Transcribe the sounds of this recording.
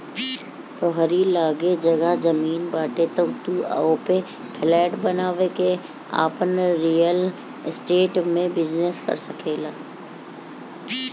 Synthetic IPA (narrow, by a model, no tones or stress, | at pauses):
t̪oɦəɾilaːɡed͡ʒɐɡad͡ʒɐmiːnbaːʈet̪əbt̪ua̰ope | pʰɪlɛːʈbɐnaːʋeke | a̰ːpənɾiːjəl | ɪsʈeːʈmẽbɪd͡ʒneskɐ̰ɾsɐkʰeːlaː